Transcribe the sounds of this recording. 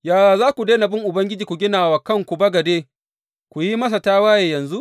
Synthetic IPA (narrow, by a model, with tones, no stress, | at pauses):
jaː˨jaː˨zaː˦kʷu˨deː˦na˨bɪ˦ŋʔʊ˨bɐ˦ŋɡʲɪ˦d͡ʒiː˨kʷu˨ɡʲɪ˦naː˨waː˨kɐ˦ŋkʷu˨bɐ˦ɡɐ˨deː˦ | kʷu˨ji˦mɐ˦s̬a˨taː˦waː˦jeː˨jɐ˨nzu˦ʔ